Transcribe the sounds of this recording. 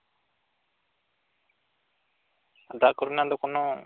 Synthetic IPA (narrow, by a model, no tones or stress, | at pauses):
ad̪akɔɾunad̪ɔkɔnɔ